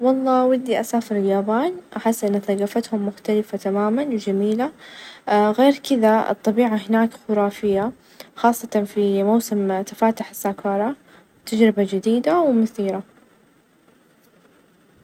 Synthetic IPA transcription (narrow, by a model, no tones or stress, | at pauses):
wɑlˤːɑːʔwɪd̪ːiʔasaːfɪɾɪljaːbaːnʔaħɪsːʔɪnːaθaɣafat̪hʊmːʊxt̪alɪfat̪amaːmanwd͡ʒamiːla | ɣeːɾkɪðaɨ̰t̪ˤːɑbiːʕaɦɪnaːkxʊɾɑːfɪjːa | xɑːsˤːɑt̪ɑfimawsɪmt̪ḁfaːt̪ʊħɪ̥sːaːkɑːɾˤɑ | t̪ad͡ʒɾɪbad͡ʒɪd̪iːd̪awmʊθiːɾa